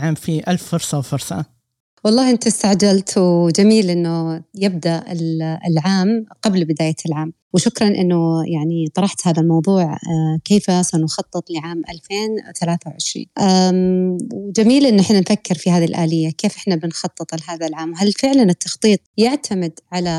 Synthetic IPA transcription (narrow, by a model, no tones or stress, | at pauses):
ʕaːmfiʔalfːʊɾsˤɑwfʊɾsˤɑ̰ | wɑlˤːɑːhʔɪnt̪ast̪aʕd͡ʒalt̪wd͡ʒamiːlʔɪnːʊjɪb̚d̪aʔɪlɪ̰lʕaːmqablbɪd̪aːjalʕaːm | wʃʊkɾˤɑnʔɪ̰nːʊjaʕnit̪ˤɑɾˤɑħt̪haːðalmɑwðˤuːʕkeːfasanxɑt̪ˤːɨt̪ˤlɪʕaːmʔa̰lfeːnθalaːθawʕɪʃɾḭːnʔa | wd͡ʒamiːlʔɪnːʔɪħnanfakːɪɾfihaːðilʔaːlɪjːakeːfʔɪħnabɪnxɑt̪ˤːɨt̪ˤlɦaːðalʕaːmwɦalfɪʕlanɪt̪ːɑxt̪ˤiːt̪̚ˤjɪʕt̪ʰamɪd̪ʕala